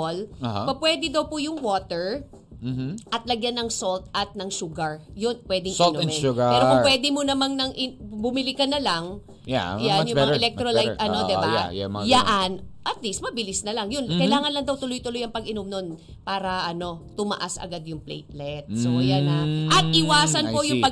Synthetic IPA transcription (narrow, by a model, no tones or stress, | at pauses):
olhapɐpwɛd̪ɪd̪ɐwpʊjʊŋwoːt̪ɛɹ̩ | ʔɐt̪̚lɐɡjanːɐŋsolt̪ʔɐt̪̚nɐŋʃuɡɐɹjʊnpwɛd̪ɪŋlɛnɡɐɛɾokʊpwɛːd̪ɪmonɐmaŋnɐŋʔɪbʊmɪlɪkɐnɐlaŋ | jjanjʊŋmŋɛlɛk̚t̪ɾolaj̪ʔɐnod̪ɛbamjaʔanʔɐt̪̚list̪̚mɐbɪlɪsnɐlɐŋjonkɐjlaːŋɐnlɐŋd̪ɐwt̪ʊlʊjt̪ʊlʊjɐŋpɐɡɪnomnon | paːɾɐʔɐno̞t̪ʊmɐ̰ʔasʔɐ̰ɡad̪jʊŋplɛ̰jt̪̚lɛt̪sojanaʔɐt̪̚ʔɪwaːsɐnpojʊŋpɐ